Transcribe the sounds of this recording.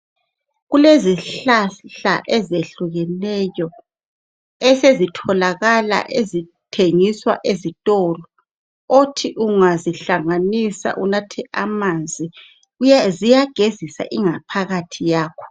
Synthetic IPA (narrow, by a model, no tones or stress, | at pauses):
ɣuleziɬaɬa̰ʔɛzeɬuɣɛnɛjɔ | ɛsezitʰɔlaɣala̰ʔezitʰeŋiswaʔezitʼɔlɔ | otʰiʔuŋaziɬaŋanisa̰ʔunatʰɛʔamand͡zʱi | jazijaɡ̥ʱezisa̰ʔiŋapʰaɣatʰijaːkʰɔ̥